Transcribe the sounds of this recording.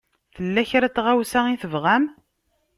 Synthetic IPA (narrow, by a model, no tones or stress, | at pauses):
θəlːæçɾæt͡sːʁæwsæiθəvʁæm